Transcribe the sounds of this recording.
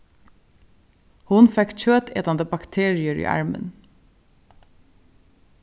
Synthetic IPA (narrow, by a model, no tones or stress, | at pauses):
hʊnfɛkc͡çøːt̪eːt̪ɑnd̪əbɑkt̪ʰeːɹɪəɹḭːʔɑ̰ɹmə̰n